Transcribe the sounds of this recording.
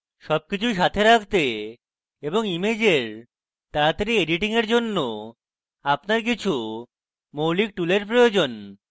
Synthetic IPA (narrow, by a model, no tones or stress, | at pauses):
ʃɔb̚kit͡ɕʰujʃ̬at̪ʰeɾakʰt̪e | eboŋimed͡ʑeɾ | t̪aɾat̪eɾieɖiʈiŋeɾd͡ʑonːo | apnaɾk̬it͡ɕʰu | mowlik̚ʈuleɾpɾojod͡ʑon